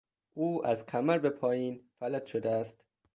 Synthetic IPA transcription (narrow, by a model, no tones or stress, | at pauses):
ʔuːæzkʰæmæɾbe̞pʰɒːjiːnfælæt̪ʃod̪eæst̪